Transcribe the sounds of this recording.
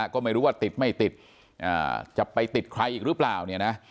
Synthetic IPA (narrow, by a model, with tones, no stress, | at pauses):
kɔː˥˩ma˥˩jɾuː˦˥waː˥˩t̪i˨˩t̪̚ma˥˩jt̪i˨˩t̪̚ | ʔa̰ː˨˩t͡ɕa˨˩pa˧jt̪i˨˩t̪̚kʰɾa˧jʔiː˨˩k̚ɾɯ˦˥plaː˨˩wni˥˩na˦˥